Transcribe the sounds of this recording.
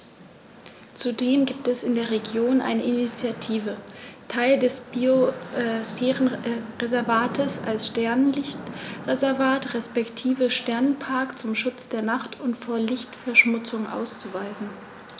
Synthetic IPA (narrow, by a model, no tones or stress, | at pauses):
t͡sudeːmənɡiːp̚tɛsɪndeːɐʁ̞eɡjoːnʔa̰ɪnəʔinit͡sjatʰiːvətʰaɪldɛsbiosfeːʁənʁezɛɐvaːtʰəsa̰lsʃtɛɐnlɪçtʁezɛɐvaːtʁɛspɛktʰiːvəʃtɛɐnnpʰaɐkt͡sʊmʃʊt͡sd̥eːɐnaχtʰʊntfoːɐlɪçtfɛɐʃmʊt͡sʊŋʔa̰ʊst͡suvaɪzn̩